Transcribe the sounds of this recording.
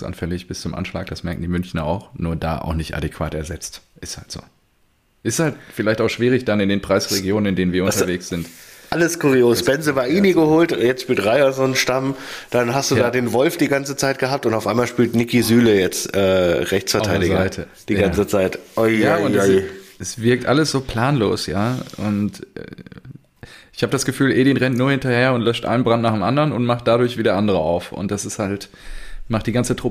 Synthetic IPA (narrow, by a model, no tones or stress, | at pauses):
sʔa̰nfɛlɪçb̥ɪst͡sʊmʔa̰nʃla̰ːk̚d̥asmɛɐk̚n̩diːmʏnçnɐa̰ʊxnuːɐda̰ːʔa̰ʊxnɪçtʔa̰dekv̥a̰ːtɛɐzɛt͡stʔɪsthaltz̥o̰ː | ʔɪsthaltfɪlaɪçtaʊxʃv̥iːʁ̞ɪçd̥anɪndeːnpʁ̥aɪsʁeɡjoːnənɪndeːnviːɐʔʊntɐveːksz̥ɪntʔaləskʰʊʁijoːsb̥ɛnzəvaːʔiːniɡəhoːltjɛt͡stʃpyːltʁaɪɐzoːnʃtamd̥anɦastd̥uːdaːdeːnvɔlfd̥iːɡant͡sət͡saɪt̚ɡ̥əhaːp̚tʊntaʊʔaɪmaːlʃpyːltnɪkizyːləjɛt͡stʔɛːʁɛçt͡sfɛɐtʰaɪdɪɡzaɪtʰə | d̥iːɡant͡sət͡saɪtʔojaːʊnɛsɛsv̥ɪɐk̚tʔaləsz̥oːpʰl̥aːnlo̰ːsjaːʔʊntɛ̰ | ʔɪ̥çhaːbədasɡ̥əfyːlʔeːdinʁɛntnuːɐhɪntɐheːɐʊntlœʃtʔa̰ɪnənbʁantnaːχeːmʔandəʁənʊntmaχt̚d̥adʊɐçv̥iːdeɐʔandəʁ̞əʔa̰ʊfʊ̰ntd̥asɪsthalt | maχtd̥iːɡant͡sətʁ̥ʊpə